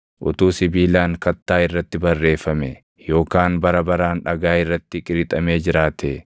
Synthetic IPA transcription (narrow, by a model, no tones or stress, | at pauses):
ʔʊt̪uːsɪbiːlaːŋkɐt̪ːaːɪrːɐt̪ːɪbɐrːe̞ːfɐmɛ | jo̞ːkaːnbɐɾɐbɐɾaːnᶑɐɡaːɪrːɐt̪ːɪkʼɪɾɪt̪ʼɐmeːd͡ʒɪɾaːt̪ʰe